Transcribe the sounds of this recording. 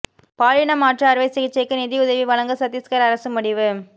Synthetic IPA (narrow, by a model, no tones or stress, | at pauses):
paːɻɪɳɐmaːʈrɐɐɾʋɐɪsɛɣɪt͡ʃːɐɪkːɯnɪðiʊðɐʋiʋɐɭɐŋɡɯsɐt̪ːɪskɐɾɐɾɐsɯmʊɽɪʋɯ